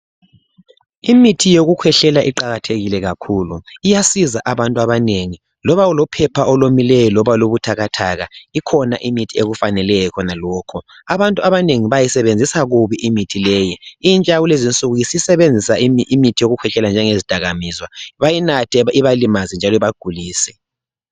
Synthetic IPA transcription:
imitʰijoɣukʰwɛɬɛlaʔiǃaɣatʰeɣilɛɣakʰuːluijasizaʔaβantʼuaβaneŋi | lɔβaulɔpʰɛpʰaɔlomilɛjɔlɔβaloβutʰaɣatʰaɣa̰ikʰɔna̰ʔimitʰieɣufanɛlɛjɔkʰɔnalɔːkʰɔ | aβantʼuaβaneŋiβajisɛβend͡zʱisaɣuβiʔimitʰilɛːjiint͡ʃʼawulezint͡sʼuɣujisisɛβend͡zʱisaiimitʰijoɣukʰwɛɬɛland͡ʒʱɛŋezid̥ʱaɣamizwaβajinatʰɛiβalimazɛnd͡ʒʱalɔiβaɡ̥ʱuliːsɛ

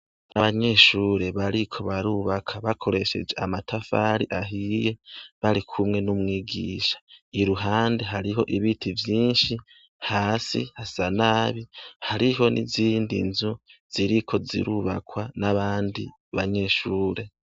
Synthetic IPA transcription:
aβaɲe̞ʃuːɾe̞βaɾikʰo̞βaɾuβakʰaβakʰo̞ɾe̞ʃe̞̰d͡ʒe̞amatʰafaɾiʔaɦije̞βaɾikʰumŋe̞numŋiːɡḭːʃḁiɾuɦaːndeɦaɾiɦo̞̰ʔiβitʰivjiːnʃi | haːsḭhasanaβihaɾiɦo̞nʔḭziːndḭnzuz̥iɾikʰo̞zḭɾuβa̰kwanaβaːndḭ | βaɲe̞ʃuːɾe̞

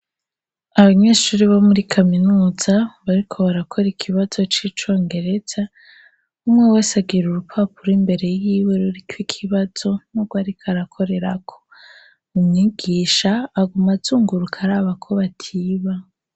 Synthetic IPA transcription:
aβaɲe̞ːʃuːɾiβomuɾikʰaminuːz̥aβaɾikʰo̞βaɾakʰo̞ɾikʰiβazo̞t͡ʃiːt͡ʃo̞ːŋɡe̞ɾe̞z̥a | umŋe̞we̞ːsaɡiɾuɾupʰapuɾimbe̞ɾe̞jiːwe̞ɾuɾikwikʰiβaz̥o̞nuɡwaɾikʰaɾakʰo̞ɾe̞ɾakʰo̥ | umɲiɡ̥iːʃaːɡumazuːŋɡuɾukʰaɾaːβakʰo̞βatʰiːβa

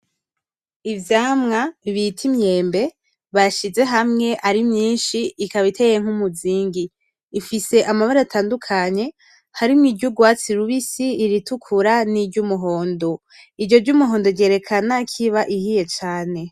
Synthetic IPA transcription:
ivjaːmŋaiβitʰimɲe̞ːmbe̞ | βaʃize̞ɦamŋe̞ʔaɾimɲiːnʃiːkaβitʰe̞ːjeŋ̥umuziːŋɡiː | fise̞ʔamaβaɾaatʰaːndukʰaɲe̞ | haɾimŋiːdɟuɡwaːt͡siɾuβisiːɾitukʰuɾaniɟumuɦo̞ːndo | iɾɟo̞ɾɟumuɦoːndoɟe̞ːɾe̞kʰanakʰiβaʔihije̞t͡ʃaːne̞

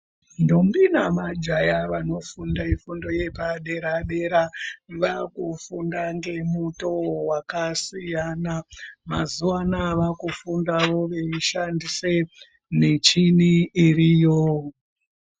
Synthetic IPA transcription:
ndombinamad͡ʒajaʋano̞fundaifundo̞jepaɗe̞ɾaɗe̞ɾaʋakufundaŋɡe̞muto̞wakasijanamazuwanaʋakufundaʋo̞ʋeiʃandise | net͡ʃiniirijo

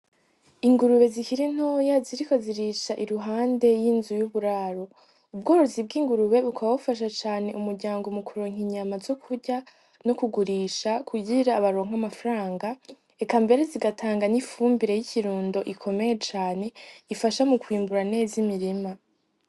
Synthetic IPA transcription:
iŋɡuɾuβe̞zikiɾin̥hoːjaziɾiko̞ziɾiʃaʔiɾuɦaːnde̞jiːnzujuβuɾaːɾo̞ | ub̚ɡo̞ːɾozib̚ɡiːŋɡuɾuβe̞βukaβaβufaʃ̬at͡ʃaːne̞ʔumuɾɟaːŋɡomukʰuɾoːŋ̥iɲamazo̞kʰuɾɟa | no̞kuɡuɾiːʃakʰuɟiɾaːβaɾo̞ːŋ̥amafɾaːŋɡa | ekambe̞ɾe̞ziɡatʰaːŋɡanifuːmbiɾe̞jiciɾuːndo̞ʔikʰo̞me̞je̞t͡ʃaːne̞ifaʃamukwiːmbuɾane̞ːzimiɾima

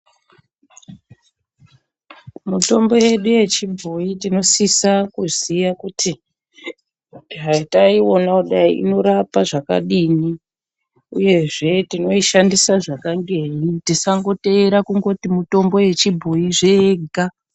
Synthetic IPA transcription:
muto̞mbo̞je̞ɗuje̞t͡ʃibʱoitino̞sisakuzijakutʰi | iɦaitaio̞nakuɗaiʔḭno̞ɾapaʐaka̰ɗini | uje̞ʐe̞tino̞iʃandisaʐakaŋɡe̞ɦitisaŋɡo̞teɾakuŋɡo̞timuto̞mbo̞je̞t͡ʃibʱoiʐeːɡʱa

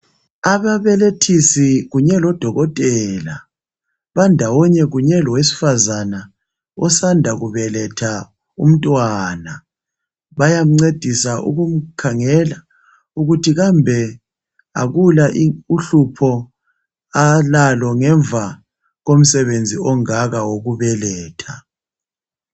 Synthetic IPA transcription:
aβaβɛletʰisiɣuɲɛlɔd̥ʱɔɣɔtʼɛːla | βandʱawɔɲɛɣuɲɛlɔwesi̥fazana | ɔsandʱaɣuβɛlɛtʰa | ṵm̩tʼwaːna | βajam̩ŋ͡ǀed̥ʱisaʔṵɣum̩kʰaŋɛla | uɣutʰiɣambʱɛ | a̰ɣulaʔiuɬupʰɔ | alalɔŋɛɱbvʱa | ɣom̩sɛβend͡zʱiɔŋaɣawoɣuβɛlɛːtʰa

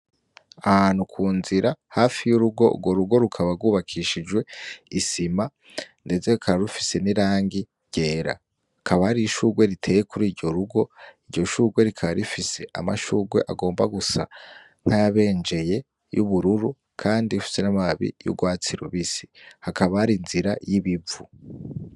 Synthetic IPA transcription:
ahaːn̥hukʰuːnziɾahafijuɾuɡo̞̰ṵɡwo̞ɾuɡo̞ɾukʰaβaɾɡuːβakʰiʃid͡ʒwe̞isima | nde̞ze̞kʰaɾaɾufi̥se̞niɾaːŋɡi | ɟ̥e̞ːɾa̰ | hkʰaβahaɾiʃuːɡwe̞ɾitʰe̞ːjekuɾiːɾɟo̞ɾuɡo̞iɾɟo̞ʃuːɡwe̞ɾikʰaβaɾifise̞ʔa̰ma̰ʃuːɡwe̞ʔaɡo̞ːmbaɡusa̰ | ŋ̥hajaβe̞ːnd͡ʒe̞je̞ | juβuɾuɾu | kʰaːndiufi̥se̞namaβḭjṵɡwaːt͡siɾṵβisi̥hakaβahaɾinziɾajiβivu

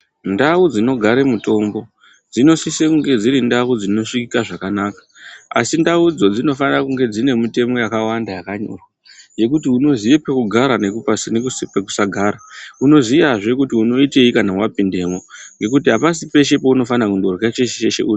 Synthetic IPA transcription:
ndawud͡zino̞ɡʱaɾe̞muto̞mbo̞ | d͡zino̞sisekuŋɡe̞d͡ziɾindawud͡zino̞ʂikikaʐakanaːkḁa̰sindaud͡zo̞d͡zino̞fanirakuŋɡe̞d͡zine̞mute̞mo̞jakawandajakaɲo̞̰rwa | je̞kutiuno̞zijepekuɡʱaɾanekupasnekuspeku̥saɡʱaːɾauno̞zijaʐe̞kutiuno̞ite̞ikanamwapinde̞mo̞ŋɡe̞k̬utiɦapas̬ipe̞ʃe̞po̞uno̞fanakuŋɡo̞rɣat͡ʃeʃeʃeʃḛʔuːri

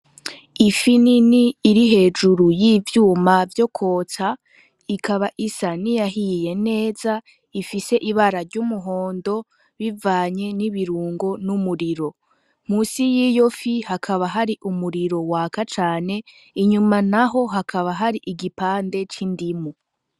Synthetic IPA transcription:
ifininiːɾiɦe̞ːd͡ʒuɾujiːvjuːmavjo̞kʰo̞ːta | ikʰaβaʔisanijaɦije̞ne̞ːza | ifise̞ʔiβaɾaɾɟumuɦo̞ːndo̞ | βivaːɲe̞niβiɾuːŋɡo̞numuɾiɾo̞ | m̥uːsijiːjofihakʰaβaɦaɾiʔumuɾiɾo̞wakat͡ʃaːne̞ | iɲumanaɦo̞ɦakʰaβaɦaɾiʔiɡipaːnde̞t͡ʃindimu

